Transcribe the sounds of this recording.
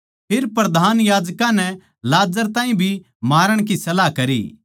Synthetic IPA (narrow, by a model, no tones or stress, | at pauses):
pʰɪɾpɾɐd̪ʱaːnjaːd͡ʒkãnɛ | laːd͡ʒəɾt̪ãːĩbʱi | maːɾəɽ̃kisɐlakɐɾḭː